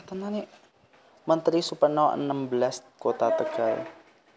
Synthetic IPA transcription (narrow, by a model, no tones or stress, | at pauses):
t̪ananiʔ | mɐnt̪ɾisupɐnawɐ̰nːamblɛst̪̚kot̪at̪ɐɡal